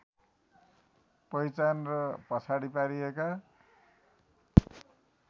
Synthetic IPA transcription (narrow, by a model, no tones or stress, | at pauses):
pʌjt͡sanrʌpʌsʰaɽipaɾieka